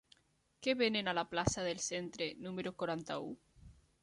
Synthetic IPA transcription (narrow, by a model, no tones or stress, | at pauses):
keβenenalaplasaðelsent̪ɾenũmeɾokoɾant̪a̰ṵ